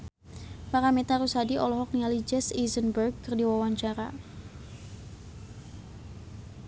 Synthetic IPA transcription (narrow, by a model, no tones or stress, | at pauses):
paɾamet̪aɾusadiʔɔlɔɦɔk̚nialid͡ʒɛsizənbərɡ̚kərdiwawaɲt͡ʃaɾa